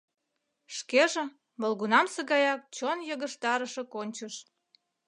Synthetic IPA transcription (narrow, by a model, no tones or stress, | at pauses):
ʃkeʒĕ | məlɣunɑmsəɣɑjɑk̚t͡ɕonjəɣəʃt̪ɑɾəʃĕkonʲt͡ɕəʃ